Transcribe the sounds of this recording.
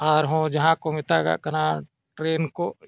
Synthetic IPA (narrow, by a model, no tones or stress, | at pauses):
aːɾɦõd͡ʒɐɦãkomɪt̪aɡa̰kɐna | ʈɾeːnko